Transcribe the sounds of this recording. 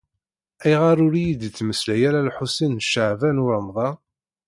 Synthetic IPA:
æjʁɑɾˤʊɾijid̪t͡sːməslæjæɾalħusinʃəʕvænʊɾəmðˤɑ

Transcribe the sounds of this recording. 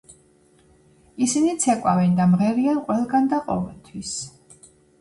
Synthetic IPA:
isinit̪sʰɛkʼwavɛnd̪amʁɛɾianqʼwɛlˠɡand̪aqʼɔ̰vɛlˠt̪ʰwis

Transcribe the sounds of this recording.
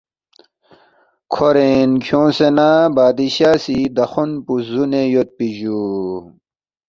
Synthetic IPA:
kʰoɾenkʰjõːsenabaːd̪iɕaːsid̪ɐxunpuzunejot̪̚piʑu

